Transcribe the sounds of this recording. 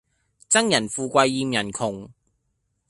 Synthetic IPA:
t͡sɐ˥ŋjɐ˨˩nfuː˧kʷɐ˧jːiː˧mjɐ˨˩nkʰʊ˨˩ŋ

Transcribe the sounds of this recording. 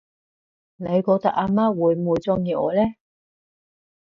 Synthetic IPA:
ne˨˧jkɔː˧k̚t̪ɐ˧˥k̚aː˧maː˥wuː˨˧jmuː˨˧jt͡sɔː˧ŋjiː˨˧ɔ̰ː˨˧lɛː˥

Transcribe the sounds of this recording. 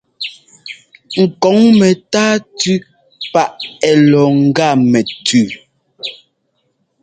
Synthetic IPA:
ŋ̩˨kɔ˨˦ŋmɛ˨taː˦tʉ˦ | pa˦˨ʔɛ˨lɔ˨ŋ̩˨ɡa˦˨mɛ˨tʰʉ˦˨

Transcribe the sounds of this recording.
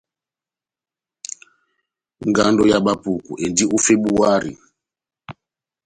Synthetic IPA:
ŋɡa˦ndɔ˦ja˨ɓa˦pu˨kṵ˨ʔɛ˨ndi˦u˦fɛ˦ɓu˦a˦ɾḭ˨

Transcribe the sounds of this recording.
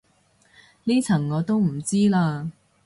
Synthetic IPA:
liː˥t͡sʰɐ˨˩ŋŋɔː˨˧t̪o˥wm̩˨˩t͡siː˥laː˧

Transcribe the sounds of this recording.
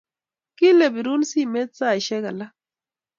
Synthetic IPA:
ki˦le˨bi˨ɾu˦nsi˦˨me˦t̚sa˦˨ʃɛ˦ka˨la˦

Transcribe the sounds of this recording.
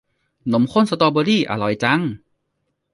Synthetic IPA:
no˨˦mkʰo˧˥˨nsa˧t̪ɔː˧bɔː˧liː˥˩ʔa̰˧˩lɔ˨˦jt͡ɕa˧˥ŋ

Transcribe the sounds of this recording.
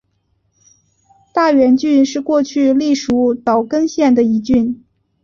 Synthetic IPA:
t̪a˥˩ɥɛ˧˥nt͡ɕy˥˧nʂɻ̩˥˧kwɔ˥˧t͡ɕʰy˥˧li˥˩ʂu˧˥t̪ɑ˨˩ʊkə˥ŋɕjɛ˥˩nd̪ə˩i˧˥t͡ɕy˥˩n

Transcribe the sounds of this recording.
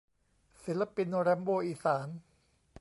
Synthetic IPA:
si˨˦la˧pi˧nɾɛː˦˥mboː˧ʔiː˧˩saː˩˦n

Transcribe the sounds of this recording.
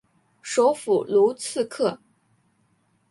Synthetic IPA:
ʂo˧˥ʊfu˨˩lu˧˥t͡sʰɹ̩˥˧kʰɤ˥˩

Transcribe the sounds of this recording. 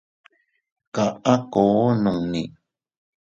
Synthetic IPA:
ka˨ʔa˦koː˨˦nũ˨ŋnḭ̃˨

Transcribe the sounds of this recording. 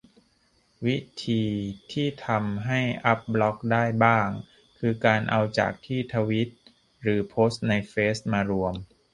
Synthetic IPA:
wi˦˥t̪ʰiː˧t̪ʰiː˥˩t̪ʰa˧mɦa˥˩jʔa˦˥p̚blɔ˦˥k̚daː˥˩jbaː˥˩ŋ | kʰɯː˧kaː˧nʔa˧wt͡ɕa̰ː˨˩k̚t̪ʰiː˥˩t̪ʰa˧wi˦˥t̪̚ | ɾɯː˩˦pʰoː˦˥st̪̚na˧jfeː˦˥st̚maː˧ɾu˧əm

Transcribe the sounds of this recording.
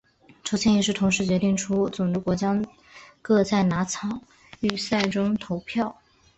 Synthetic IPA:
ʈ͡ʂʰo˧˥ʊt͡ɕʰjɛ˥njɛ˨˩ʂɻ̩˥˩t̪ʰʊ˧˥ŋʂɻ̩˧˥˩t͡ɕɥɛ˧˥t̪i˥˩ŋʈ͡ʂʰu˥t͡sʊ˨˩ŋʈ͡ʂə˧˥kwɔ˧˥t͡ɕjɑ˥ | kɤ˥˧t͡sa˥˩ɪna˧˥t͡sʰɑ˨˩˦ŋ | y˥˩sa˥˩ɪʈ͡ʂʊ˥ŋt̪ʰo˧˥ʊpʰjɑ˥˩ʊ

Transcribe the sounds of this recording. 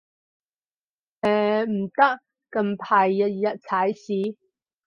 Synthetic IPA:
ɛː˨m̩˨˩t̪ɐ˥k̚ | kɐ˧mpʰaː˨jːɐ˧t̚jɐ˨t̚t͡sʰɐ˨˥jsiː˨˥˦

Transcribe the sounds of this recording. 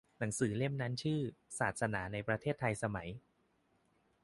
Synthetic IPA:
na˩˦ŋsɯː˩˦le˥˩mna˦˥nt͡ɕʰɯː˥˩saː˨˩t̪̚sa˧naː˩˦na˧jpɾa˧eː˥˩t̪ʰːa˧jsa˧ma˩˦j

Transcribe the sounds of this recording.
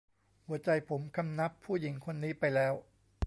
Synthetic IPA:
hu˩˦ɐt͡ɕa˧jpʰo˩˦mkʰa˧mna˦˥pʰːuː˥˩ji˩˦ŋkʰo˧nːiː˦˥pa˧jlɛː˦˥w

